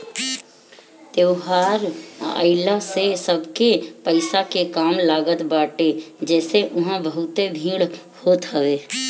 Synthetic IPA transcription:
t̪eːɦaːɾə̰ɪlasesəbkepəɪsakekaːmlaːɡət̪baːʈed͡ʒɛːseʔʊɦãbəɦʊt̪ebʱĩːɽ | hoːt̪əʋeː

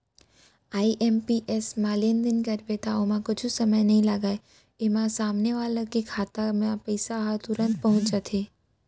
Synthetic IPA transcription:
aːiʔempiʔesmaːlənd̪ɪnkəɾʋet̪aomãkʊd͡ʒʰusəməjnɐɦĩlaːɡaːe | emãsaːmneʋaːləkikʰaːt̪amãpəjsaɦat̪ʊɾə̃nt̪̚pɐɦʊ̃t͡ʃat̪ʰe

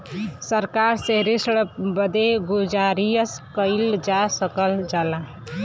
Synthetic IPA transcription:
səɾkaɾseɾisɽbəd̪eɡud͡ʒaɾijəskəɪld͡ʒasəkəld͡ʒala

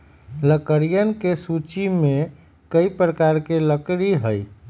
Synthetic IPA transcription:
ləkəɾijənkesut͡ʃime | kəipɾəkaɾkeləkɾiɦəj

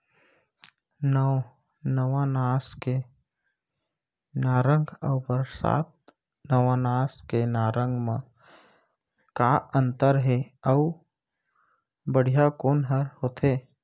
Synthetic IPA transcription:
nə | nəʋãnaːske | naːɾə̃ŋɡəʊpəɾsa̰ːt̪̚ | nəʋãnaːskenaːɾə̃ŋɡmã | kaə̃nt̪əɾɦeə | bəɽ̤ijakoːnɦəɾhoːt̪ʰeː

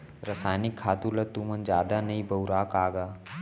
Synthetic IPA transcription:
ɾəsaːjnɪkʰːaːt̪ulɐt̪uːmənd͡ʒjaːd̪anɐĩbɐʊɾaːkaːɡaː

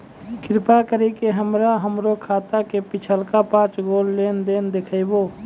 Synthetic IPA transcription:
kɾɪpakəɾikeɦəmɾaɦəmɾokʰaːt̪akepɪt͡ʃʰəlkapãːt͡ʃɡoːlːeːnd̪eːnd̪ekʰəɪboː

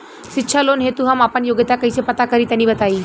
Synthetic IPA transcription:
ɕitːɕʰalonɦet̪uɦamapəɳjoɡjət̪akəisepət̪akəɾiːt̪janːiːbət̪aiː

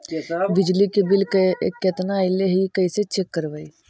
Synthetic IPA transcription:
bɪd͡ʒlikebɪlkekːet̪naɪleɦikɐiset͡ʃekːəɾʋai

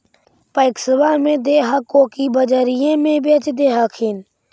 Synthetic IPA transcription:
pəɪksəʋaːmẽːd̪eːɦakoːkiːbəd͡ʒəːɾɪjẽːmẽːbet͡ʃd̪eːɦakʰiːn

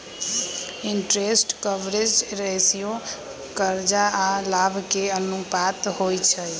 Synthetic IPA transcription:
iɳʈɾesʈkəbɾed͡ʒɾesijo | kəɾd͡ʒaalabʱkeənupat̪ɦojt͡ʃʰə

